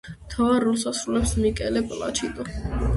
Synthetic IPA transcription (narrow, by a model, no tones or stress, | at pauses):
mt̪ʰavaɾːɔlˠsasɾulɛpsmikʼɛlɛpʼlˠa̰t͡ʃʰid̪ʼɔ